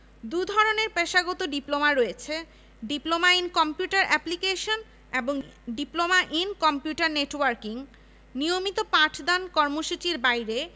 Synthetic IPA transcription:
d̪ud̪ʱɔɾoneɾpeʃaɡɔt̪oɖiplomaɾojet͡ɕʰe | ɖiplomainkɔmpjuʈaɾɛplikeʃon | eboŋɖiplomaʔinkɔmpjuʈaɾneʈwaɾkiŋ | nijomit̪opãʈʰd̪ankɔɾmoʃut͡ɕiɾbajɾe

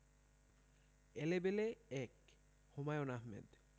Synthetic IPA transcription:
elebeleɛk | homajonaɦmḛd̪

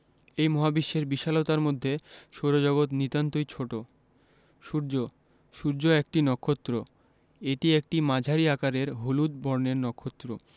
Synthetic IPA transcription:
ejmɔɦabiʃːeɾbiʃalot̪aɾmod̪ʱːeʃoɾod͡ʑɔɡot̪nit̪ant̪ojt͡ɕʰoʈo | ʃuɾd͡ʑo | ʃuɾd͡ʑoek̚ʈinɔkʰːot̪ːɾo | eʈiek̚ʈimad͡ʑʱaɾiakaɾeɾɦolud̪̚bɔɾneɾnɔkʰːot̪ːɾo

